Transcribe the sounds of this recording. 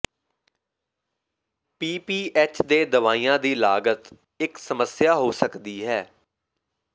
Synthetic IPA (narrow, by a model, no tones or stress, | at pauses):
piːpiːʔɛːt͡ʃd̪eːd̪əʋaːiːãːd̪iːlaːɡət̪ | ɪksəməsɪjaːɦoːsəkd̪iːɦɛː